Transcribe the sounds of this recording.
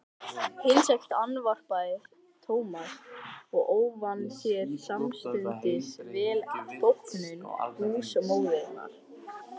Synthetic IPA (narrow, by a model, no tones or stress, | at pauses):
hɪnsɛkt̪anːvar̥pajɪɾ̥ | t̪ʰoːwmasɔɣoːwvanːsjɛɾ̥samst̪ʏnt̪ɪsvɛːlaðθowpnʏnɔ̰ɣa̰huːsamoːwðɛna̰ɾ̥